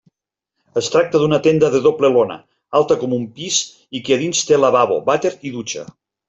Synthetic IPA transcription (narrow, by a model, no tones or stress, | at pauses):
əst̪ɾak̚t̪əðunət̪end̪əðəðoplelonə̰ | alˠt̪əkɔmumpiz | ikeaðinst̪elaβaβo̰βat̪eɾiðut͡ʃə̰